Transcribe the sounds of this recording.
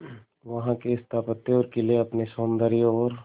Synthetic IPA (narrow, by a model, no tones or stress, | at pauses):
ʋɐɦãkeɪst̪ʰaːpət̪ːeɔːɾkelieɐpnesoːnd̪əɾijõɔːɾ